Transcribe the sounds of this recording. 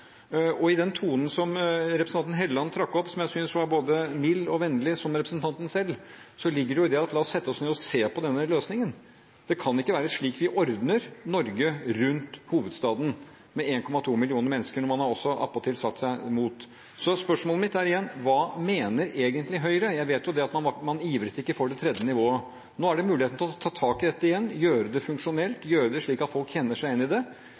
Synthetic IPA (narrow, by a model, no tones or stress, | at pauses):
ɔɪd̪ɛnt̪ʰuːnən̩sɔmɾɛpɾsn̩ɑnn̩ɦɛləlɑnːt̪ʰɾɑkːɔpːsɔmjæɪsʏnsʋɑɾboːd̪əmɪlːɔʋɛnːəlɪsɔmɾɛpɾəsənt̪ʰɑnt̪n̩sɛlː | sɔlɪɡːəɖɛjʊɪd̪ɛɑt̪lɑːɔsːɛt̪ːəɔsneːɔseːpɔd̪ɛnːəløːsnɪŋən | d̪̥ɛkʰɑnɪkːəʋæːɾəʂɭiːkʋɪʔɔɾd̪nəɾnɔɾɡəɾʉnt̪huːʋəd̪st̪ɑːd̪n | mɛeːnkʰɔmɑt̪ʰuːmɪlɪuːnəɾmɛnːəskəɳɔmɑnhɑɾɔsːɔʔɑ̰pːɔt̪ʰɪlsɑt̪ːsæɪmuːt̪ | sɔspœʂmoːləmɪt̪ːæɾɪjɛnːʋɑːmeːnəɾeːɡənt̪lɪɦœʏɾəjæɪʋeːt̪jʊd̪ɛɑt̪mɑnɑmɑniːʋɾət̪ɪkːəfoːɖɛt̪ʰɾɛd̪jənɪʋoːə | noːæɖɛmʉːlɪeːt̪n̩t̪ʰɪlɔt̪ʰɑːt̪ʰɑːkɪd̪ɛt̪ːəɪjɛnːjøːɾəd̪ɛfʉŋkʂʊnɛlt̪jøːɾəd̪ɛʂɭiːkɑt̪fɔlkçɛnːəʂæɪɛnːɪd̪ɛ